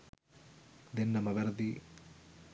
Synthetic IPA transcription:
d̪enːɐmɐʋɐɾd̪i

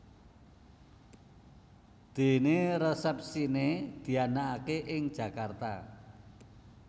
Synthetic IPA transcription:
d̪̥e̤neɾesɛp̚sined̪̥i̤anaːkeʔɪŋ̥ʒ̥ä̤kart̪a̰

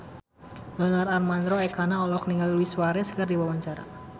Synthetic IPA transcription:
dɔnararmand̪ɾoɛkʰanaɔlɔk̚niŋalluwiswaɾɛskɨrdiwawaɲt͡ʃaɾa̰

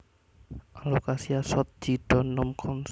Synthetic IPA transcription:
ʔalokasiasɔt̪̚d͡ʒ̥iɖ̥ɔnʊmkʰɔns

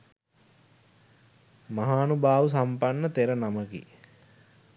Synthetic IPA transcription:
maɦaːnubaːʋəs̬ampanːət̪eɾənaməkḭ

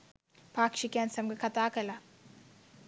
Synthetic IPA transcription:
paːkʃikansɐmɡɐkʰɐt̪aːkɐla

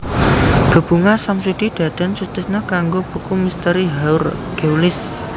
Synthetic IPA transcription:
ɡ̥ə̤b̥ṳŋasamsud̪̥i̤ɖ̪̥a̤d̪̥a̤nt͡ʃut̪ɪsnakaŋɡob̥əkumist̪əɾiɦaʊr | ɡ̥ewlɪs

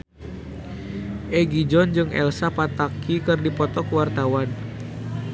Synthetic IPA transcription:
ʔɛɡid͡ʒɔnd͡ʒɨŋɛ̰lsapat̪akikɨrdipɔt̪ɔkwart̪awan

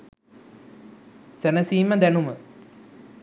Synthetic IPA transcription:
sænəsiːməd̪ænumə

